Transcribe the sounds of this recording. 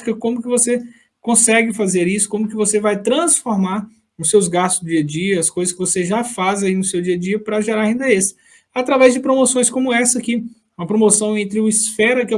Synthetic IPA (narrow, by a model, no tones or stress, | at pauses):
i̥kɐkõmʊkɪvose | kõsɛɡɪfazeɾisʊ̥kõmʊkɪvosevajt̪ɾɐ̃sfoɾmaɾ | ʊsːewzɡast̪ʊzd̪ʊd͡ʒiɐd͡ʒiɐɐskojzɐskɪvoseʒafazainʊsewd͡ʒiɐd͡ʒiɐpɾɐʒeɾaɾaĩnd̪ɐesɪ̥ | at̪ɾavɛzd͡ʒɪpɾomosõj̃skõmʊɛsɐkɪ | ũmɐpɾomosɐ̃w̃ẽnt̪ɾɪʊisfɛɾɐkɪɛ